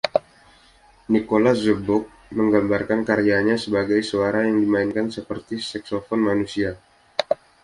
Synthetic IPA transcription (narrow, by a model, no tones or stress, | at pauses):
nikolazəbɔk̚ | məŋɡambarkankaɾijaɲasəbaɡajsuaɾajaŋdimainkansəpərt̪isɛksofɔnmanusia